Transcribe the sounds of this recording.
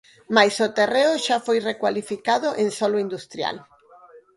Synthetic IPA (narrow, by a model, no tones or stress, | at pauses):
majsot̪ereʊʃafojrekwalifikaðʊʔẽnsɔlʊind̪ust̪ɾja̰l